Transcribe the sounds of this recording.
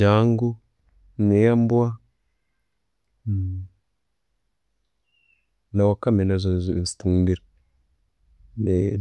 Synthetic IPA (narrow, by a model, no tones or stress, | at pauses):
aŋɡu | nejambuwa | nawakːaminazuzuistuŋbiɾ | ne